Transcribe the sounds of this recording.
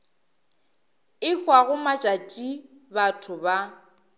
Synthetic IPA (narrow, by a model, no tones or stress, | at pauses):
ɪfwaɣʊmat͡ʃʼat͡ʃʼi | batʰʊba